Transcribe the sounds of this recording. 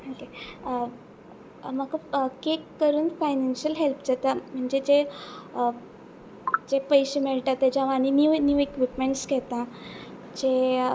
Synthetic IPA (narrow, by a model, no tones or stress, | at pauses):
oke | makakekːəɾuːnfajnanɕəlɦelpd͡zat̪am̤əɳd͡zed͡ʑe | d͡ʑepəjɕemeɭʈ̪at̪ːed͡ʑãʋaɽ̃injunjuːekʋipmeɳʈskɛt̪ã | d͡ʑe